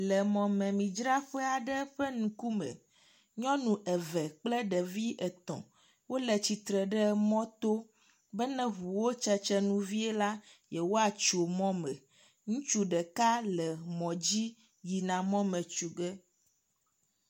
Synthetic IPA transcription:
lɛ˨mɔ̃˨mɛ̃˨mĩ˨d͡ʒɾa˦ɸɛ˦a˨ɖɛ˦ɸɛ˦nũ˨ku˦mɛ̰̃˨ | ɲɔ̃˦nũ˨ʔɛ˨vɛ˨k͡plɛ˦ɖɛ˨vi˦ʔɛ˨t̪ɔ̰̃˨ | wo˦lɛ˨t͡ɕi˨t̪ɾɛ˨ɖɛ˦mɔ̃˦t̪o˦ | bɛ˦nɛ̃˦ɦu˨wo˦t͡ʃɛ˦t͡ʃɛ˦nũ˦vi˦ɛ˦la˦jɛ˨wo˦a˨t͡ʃo˨mɔ̃˦mɛ̃˨ | ŋũ˦t͡ʃu˦ɖɛ˨ka˦lɛ˨mɔ̃˨d͡ʑi˦ | ji˨nã˨mɔ̃˦mɛ̃˨t͡ʃu˨ɡɛ˦

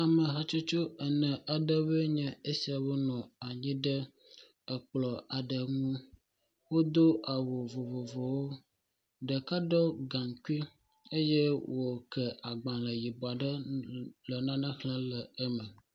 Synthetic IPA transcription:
a˨mə˨ɦa˦t͡ʃo˦t͡ʃo˦ə˨nɛ̃˨ʔa˨ɖə˦βə˦ɲɛ̃˨e˦si˨a˨bə˦nɔ̃˨a˨ɲĩ˦ɖə˦ | ə˨k͡plɔ˨ʔa˨ɖə˨ŋũ˦ | wo˦d̪o˦ʔa˨wo˨vo˨vo˨vo˨wo˦ | ɖə˨ka˦ɖɔ˦ɡã˨ŋku˦i˦ | e˦je˦wo˨kɛ˨ʔa˨ɡ͡bã˨lə˨ji˨bɔ˨a˨ɖə˦lə˨nã˦nã˦ɣlə̃˦lə˨ə˦mə̃˨

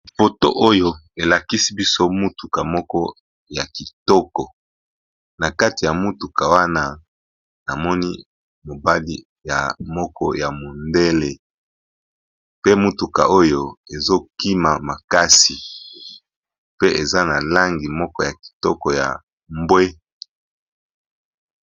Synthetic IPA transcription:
fo˨to̰˦ʔo˦jo˦e˨la˨ki˦si˦bi˦so˦mu˦tu˨ka˨mɔ˦kɔ˦ | ja˨ki˨tɔ˦kɔ˨ | na˨ka˦ti˨ja˨mu˦tu˨ka˨wa˦na˦ | na˨mɔ˦ni˦ | mo˨ba˦li˦ | ja̰˨mɔ˦kɔ˦ja˨mo˨nde˦le˨ | pe˦mu˦tu˨ka̰˨o˦jo˦e˨zo˦ki˦ma˨ma˨ka˦si˨ | pe˦ʔe˨za˦na˨la˦ŋɡi˨mɔ˦kɔ˦ja˨ki̥˨tɔ˦kɔ˨ja̰˨ | mbwe˦

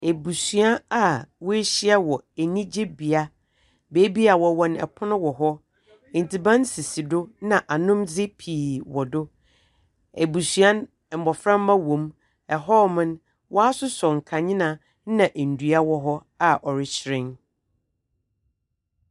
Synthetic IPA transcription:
e˨bu˨su˨a˦a˨wɔ˦e˦ɕi˦a˦wɔ˨e˨nĩ˦d͡ʑe˦bi˨a˦ | be˨˦bi˦a˨wɔ˨wɔ̃˨nɛ̰˨pʰʊ˦nʊ̃˦wɔ˨ɦɔ˦ | ĩ˨n˨tʰi˨bã˦n˦si˨si˨dʊ˦nã˨ʔa˨nʊ̃˦md͡zɪ˦pʰiː˨wɔ˨dʊ˦ | e˨bu˨su˨ã˦n˨ | m̩˨bɔ˨fɾã˦mː˦ã˦wõ˨m | ɛ˨ɦɔ˦mɪ̃˦n | wʔɔ˦a˦sʊ˦sɔ˨ŋ̩˨kʰã˨ɲɪ̃˦nã˨ | n˦nã˨ʔe˨n̩˨du˨˦a˦wɔ˦ɦɔ˦ | a˨ʔɔ˨ɾɪ˦ɕʰɪ˨ɾɪ̃˦n

